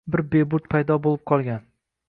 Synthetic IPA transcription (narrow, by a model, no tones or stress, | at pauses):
bɪɾbebʊt̪pʰajd̪ɒbolˠɪp̚qʰɒlˠɡʲan